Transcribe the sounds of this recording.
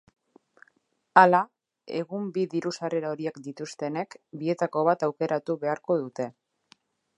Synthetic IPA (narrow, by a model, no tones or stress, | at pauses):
ala | e̞̰ɣumbiðiɾusareɾaoɾiekd̪it̪ust̪e̞ne̞kbie̞t̪ako̞β̞at̪awke̞ɾʔat̪uβe̞aɾko̞ð̞ut̪e̞